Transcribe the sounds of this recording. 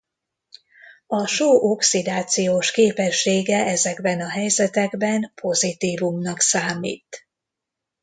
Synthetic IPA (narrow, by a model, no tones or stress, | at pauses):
ɒʃoːʔo̞ksid̪aːt̪sijoːʃkeːpɛʃːeːɡɛʔɛzɛɡbɛnɒɦɛjzɛt̪ɛɡbɛnpʰo̞zit̪iːvumnɒksaːmḭːt̪